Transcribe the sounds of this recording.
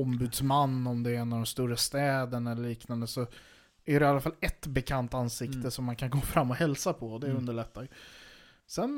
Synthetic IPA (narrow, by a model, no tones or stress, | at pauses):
ɔmbʉ̟ːd̪smanːɔmd̪ɛɛnːavd̪ɔmst̪uːɾast̪ɛːd̪ənɛlːəɭiːknand̪əsɔ | æɾɛɪalːafalːɛt̪bɛkʰant̪ansɪkt̪əsɔmːankʰanɡoːfɾamːɔhɛlsapʰɔd̪ɛɵnd̪əɭɛt̪ːaj | sɛn